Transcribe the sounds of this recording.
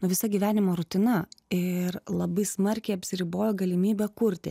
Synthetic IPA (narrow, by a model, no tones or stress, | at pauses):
nʊʋʲɪsɐɡʲiːʋʲæːnʲɪmoːɾʊt̪ʲɪnɐɪrlˠɐbɐɪsmɐɾʲkʲɛɪɐpʲsʲɪɾʲiːboːjoɡɐlʲɪmʲiːbʲɛkʊɾʲt̪ʲɪ̰